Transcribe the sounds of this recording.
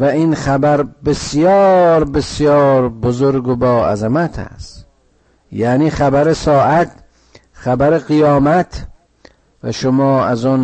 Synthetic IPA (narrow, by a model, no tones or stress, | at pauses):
væinxæbæɾbesjɒːɾbesjɒːɾbozoɾɡobɒːæ̰zamæt̪ʰæ̰st̪ | jaːniːxæbæɾesɒːʔæt̪̚ | xæbæɾeɣijɒːmæt̪ʰ | væ̰ʃomɒːæzɔn